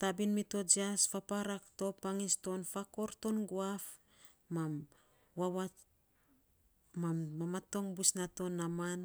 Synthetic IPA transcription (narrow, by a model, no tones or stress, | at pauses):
tabinmito̞d͡ʒiasfapaɾakto̞paŋisto̞nfako̞ɾto̞nɡoaf | mam | wawa | mammamato̞ŋbusnato̞nːaman